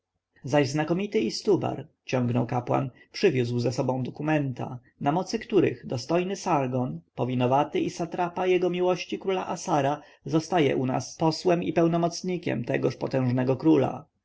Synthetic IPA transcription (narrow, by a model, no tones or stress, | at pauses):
zaʑznakɔmʲit̪ɘist̪uba̰ɾ | t͡ɕɔ̃ŋɡnɔwkapwa̰n | pʂɘvʲjuzwzɛsɔbɔ̃w̃d̪ɔkumɛnt̪a̰ | namɔt̪sɘkt̪uɾɘ̰ɣd̪ɔst̪ɔjnɘsaɾɡɔnpɔvʲinɔvat̪ɘʔisat̪ɾapajɛɡɔmʲiwɔɕt͡ɕikɾula̰ʔasaɾa | zɔst̪ajɛ̰ʔuna̰spɔswɛmipɛwnɔmɔt̪sɲikʲɛ̰mt̪ɛɡɔʂpɔt̪ɛ̃w̃ʐnɛɡɔkɾula̰